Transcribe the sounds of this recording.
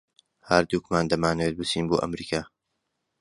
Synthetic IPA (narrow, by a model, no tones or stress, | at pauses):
haːɾd̪uːkmaːnd̪ɐmaːnɐweːt̪̚bɨt͡siːnboːʔɐ̰mɾiːkʰaː